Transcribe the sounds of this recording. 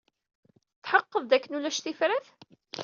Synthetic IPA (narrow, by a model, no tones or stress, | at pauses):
θħəqːəðˤd̪ækːənulæʃθifɾæθ